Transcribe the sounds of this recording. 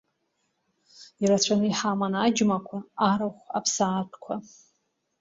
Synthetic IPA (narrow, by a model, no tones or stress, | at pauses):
iɾat͡ɕʷʰanɨiħamanad͡ʒmakʷʰaaɾaχʷapʰsaːtʰkʷʰa